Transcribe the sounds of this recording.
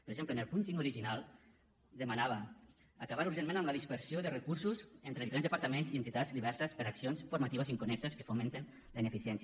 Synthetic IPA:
pɾeɡʒempleənelˠpunsiŋuɾiʒinalˠ | d̪əmanaβə | akaβaɾuɾʒenmẽnamləðispəɾsioðərəkuɾsuzent̪ɾeðifɾenzðəpaɾt̪əmenzient̪it̪azd̪iβɛɾsəspəɾaksionsfuɾmat̪iβəziŋkunɛksəskə̥fument̪en | ləinəfisjɛns

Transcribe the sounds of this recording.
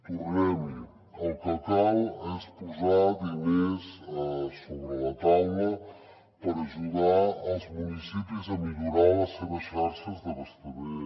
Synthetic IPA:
puuɛmu | ɐwkɐkawɛspuzaðɨmezɛsoβɾɨlɐt̪awmɐ | pɐɾɐʒuðaɾawzmunisipjuzɐmiʎuɾaɾɐseβɐʃʃaɾʃɐzðɐβɐst̪ɐβe

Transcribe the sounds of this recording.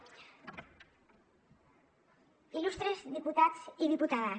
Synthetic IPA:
ilust̪ɾezðiput̪at̪siðiput̪aða

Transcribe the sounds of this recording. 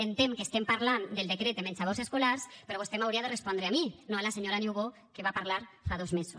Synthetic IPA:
ent̪emkest̪empaɾland̪eld̪ekɾet̪d̪emensaβoseskolaɾspeɾɔβust̪emawɾiaðerespɔnd̪ɾeaminoalaseɲoɾaniuwβo | keβapaɾlaɾfaðozmesus

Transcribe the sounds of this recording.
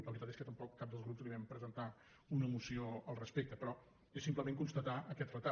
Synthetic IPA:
ləβɾit̪at̪eskət̪əmpɔkːap̚d̪əlˠzɣɾupzliβɛmpɾəzənt̪a | unəmusioəlˠrəspek̚t̪əpɾɔ | esimpləmẽŋkunst̪ət̪aʔəkɛt̪rət̪a

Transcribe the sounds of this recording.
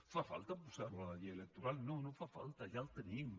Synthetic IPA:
fafa̰lt̪apusaolaajaelek̚t̪oɾalnonõfafa̰lt̪ajalt̪əniŋ

